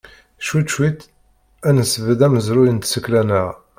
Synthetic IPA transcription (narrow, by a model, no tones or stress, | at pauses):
ʃut̪ʃwit̪ | ænəsəvəd̪æməzɾujənt̪səkːlænəʁ